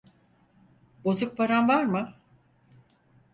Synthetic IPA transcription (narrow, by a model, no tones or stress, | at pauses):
bo̞zuk̚pʰaɾanvaɾmɯ